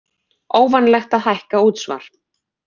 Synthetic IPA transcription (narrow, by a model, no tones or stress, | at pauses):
oːwvanlɛxt̪aðhajhkauːt̪sva̰ɾ̥